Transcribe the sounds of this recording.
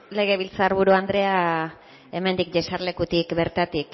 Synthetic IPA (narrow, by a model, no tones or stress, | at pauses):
le̞ɣ̞e̞β̞ilt͡saːɾβuɾuand̪ɾe̞a | e̞me̞nd̪ikʝesaɾle̞kut̪ikbe̞ɾt̪at̪ik